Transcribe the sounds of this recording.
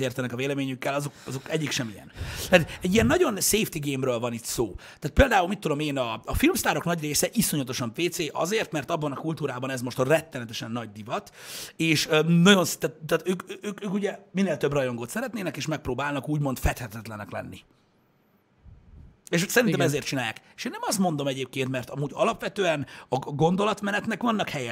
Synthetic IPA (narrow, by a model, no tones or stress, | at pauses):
eːrt̪ɛnɛkɒveːlɛmeːɲykːɛlɒzo̞kɒzo̞kɛɟːikʃɛmijɛ̰nt̪aːt̪ɛɟːijɛnːɒɟo̞nseːft̪iɡeːmrøːlvɒnit̪soːt̪aːt̪peːld̪aːulmit̪ːud̪o̞meːnɒːfilmst̪aːɾo̞knɒɟreːsɛʔiso̞ɲɒt̪o̞ʃɒɱpeːt̪seːʔɒ̰zeːrt̪mɛrt̪ɒbːɒnɒkult̪uːɾaːbɒnɛzmoʃt̪rɛt̪ːɛnɛt̪ɛʃɛnːɒɟ̚d̪ivɒt̪eːʃønɒɟo̞nst̪aːt̪t̪ːaːt̪øːkːøːkøːkuɟɛminːeːlt̪øbrɒjo̞ŋɡoːt̪sɛɾɛt̪neːnɛkeːʃmɛk̚pɾoːbaːlnɒkuːɟmo̞nt̪fɛt̪hɛt̪ɛt̪lɛnɛklɛ̰nːi | eːʃsɛɾint̪ɛmɛzeːrt̪t͡ʃinaːja̰ːkeʃeːnːɛmɒst̪mo̞nd̪o̞mɛɟeːp̚keːnt̪mɛrt̪ɒmuːɟɒlɒpʋɛt̪øːɛnɒɡo̞nd̪o̞lɒt̪mɛnɛt̪nɛkʋɒnːɒkhɛjɛ